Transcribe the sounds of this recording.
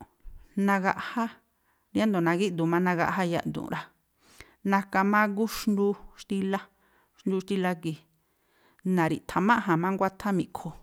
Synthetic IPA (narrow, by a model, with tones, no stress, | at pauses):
nã˧ɣa˧ʔha˦ | ɾja˦nd̪o˨nã˧ɡi˦d̪u˨mã˦˧nã˧ɣa̰˧ʔɦa˦ja̰˧ʔnd̪ṵ̃˨˧ɾa˧ | nã˧ka˧mã˦k̬u˦ʃnd̪u˧ʃt̪i˧la˦ | ʃnd̪u˧ʃt̪i˧la˧ki˨ | nã˨ɾḭ˨t̪ʰa˧mã˦ɦã˨mã˦ŋɡʷa˦t̪ʰa˦mĩ˧˨kʰo˨